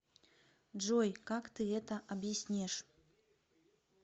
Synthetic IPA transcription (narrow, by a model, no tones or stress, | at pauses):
ʐɔjkakt̪ɨɣɛt̪ɐʔɐbjisʲnʲɛʂ